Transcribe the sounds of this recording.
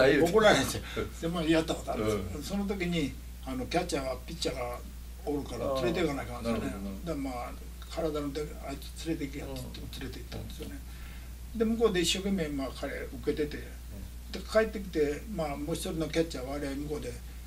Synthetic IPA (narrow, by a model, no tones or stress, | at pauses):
okoɾaɦẽnsod̪emoijat̪ːakot̪oaɾdesso̞not̪̬o̞k̬ʲiɲ̟i | ano̞kʲat͡ɕaɡapʲit͡ɕːaɡa | oɾɯ̟kaɾat͡sɨɾe̞t̪ekanaikananesjoned̪ama | kʰaɾad̪anot̪e | ai̥ | t͡sɨɾe̞t̪̬ekʲiat̪ːet̪ːt͡sɨɾe̞t̪e̞it̪ːã̰nd̪e̞sione̞ | d̪e̞mɯ̟ko̞d̪e̞iɕːo̞ːke̞me̞makʰaɾe̞ɯke̞t̪e̞t̪e̞ | d̪̥e̞kʰaet̪ːe̞k̬ʲi̥t̪e̞maːmo̞ːɕi̥t̪oɾʲino̞kʲat͡ɕaβaɾeaimɯ̟ko̞d̪e̞